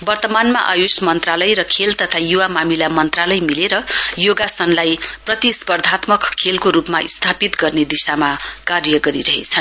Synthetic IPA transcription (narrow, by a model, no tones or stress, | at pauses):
bʌrt̪ʌmanmaʔajusmʌnt̪ralʌjɾʌkʰelt̪ʌt̪ʰajuwamamilamʌnt̪ralʌjmileɾʌjoɡasʌnlajprʌt̪ispʌrd̪ʱat̪mʌkkʰːelkoɾupmaʔḭst̪ʰapit̪ɡʌrned̪isamakarjʌɡʌɾiɾʌɦḛt͡sʰʌn